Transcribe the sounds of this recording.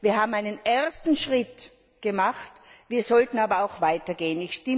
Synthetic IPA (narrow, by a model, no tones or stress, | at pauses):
viːɐɦaːbm̩aɪnəneɐstn̩ʃʁ̥ɪt | ɡ̥əmaχtviːɐzɔltn̩aːbɐaʊxv̥aɪtɐɡeːənɪçʃtɪ